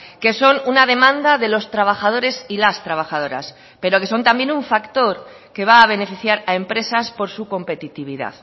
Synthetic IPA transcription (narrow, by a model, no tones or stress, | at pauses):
ke̞so̞nunaðe̞mãnd̪aðe̞lo̞st̪ɾaβ̞axað̞o̞ɾe̞silast̪ɾaβ̞axað̞o̞ɾa̰s | pe̞ɾo̞ke̞so̞nt̪ambje̞nuɱfakt̪o̞ɾ | ke̞β̞aːβ̞e̞ne̞fiθjaɾae̞mpɾe̞saspo̞ɾsuko̞mpe̞t̪it̪iβ̞iða̰ð